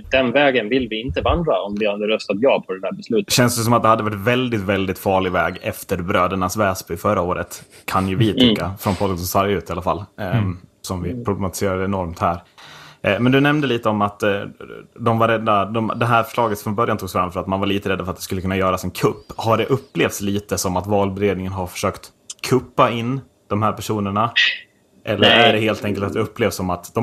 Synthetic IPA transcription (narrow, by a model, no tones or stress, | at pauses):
d̪̥ɛnvɛːɡənvɪlːvɪɪnt̪əvand̪ɾaɔmd̪ɪhad̪əɾœst̪at̪jɑːpʰɔd̪ɛd̪æːɾbɛslʉ̟ːt̪ɕɛnsd̪s̬ɔmat̪̚d̪ɛhad̪ːəvaʈvɛld̪ɪt̪vɛld̪ɪt̪fɑːɭɪvɛːɡɛft̪əɾbɾøːd̪əɳasvɛːsbʉɪfœɾaoːɾə̰t̪kʰanjɵvɪt̪ʰʏkːafɾɔnpʰɔd̪ənsɔmsɑːɾjʉ̟ːt̪ɪalafa̰lː | sɔmvɪpʰɾʊblɛmat̪ɪ̥seːɾad̪əɛnɔɾmt̪hæːɾ | mɛnd̪ɵnɛmnd̪əliːt̪əɔmat̪ | d̪ɔmvaɾɛd̪ːad̪ɔmd̪ɛɦæːɾfœ̥ʂɭɑːɡət̪fɾɔnbœɾjant̪ʰuːɡsfɾamfœɾat̪manvaɭiːt̪əɾɛd̪ːafœɾat̪d̪ɛskɵlːkɵnːajœːɾasɛnkʰɵpːhaɖɛʔɵpːleːft̪sliːt̪əsɔmat̪vɑːlbɛɾeːd̪nɪŋənɦaɾfœ̥ʂøːkt̪ | kʰɵpːaɪnː | d̪̥ɔmɦæːɾpæʂuːnəɳa | ʔɛlːəɾæɖɛheːlt̪ɛŋkəlt̪at̪̚d̪ɛɵpːleːvsɔmat̪d̪̥ɔ